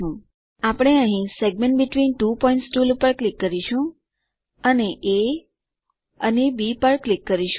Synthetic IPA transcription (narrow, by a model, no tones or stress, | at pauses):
ũ | apɽ̃eə̃ɦĩseɡ̚mẽɳʈbɪʈʋinʈupɔĩɳʈsʈuːlupəɾklikːəɾiʃũ | əneʔe | əɦibipəɾklikːəɾiʃ